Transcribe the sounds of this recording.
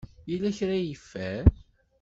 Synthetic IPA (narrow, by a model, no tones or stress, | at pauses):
jilæçɾæjəfːæɾ